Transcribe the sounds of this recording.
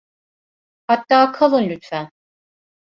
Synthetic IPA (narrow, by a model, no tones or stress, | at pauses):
hat̪ːaːkʰalˠunlʲyt̪fæn